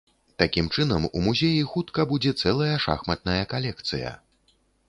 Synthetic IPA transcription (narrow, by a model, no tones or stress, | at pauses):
t̪akʲimt͡ʂɨnɐmṵmuzʲejixut̪kɐbud͡zʲɛt̪sɛlˠɐjɐʂa̰xmɐt̪̚nɐjɐkalʲɛkt̪sɨjɐ̰